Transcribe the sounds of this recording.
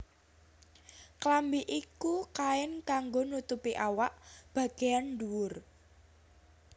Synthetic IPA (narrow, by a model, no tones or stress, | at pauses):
klambiʔikukaɪnkaŋɡonut̪upiʔawaʔb̥ä̤ɡ̥ejanɖuwʊr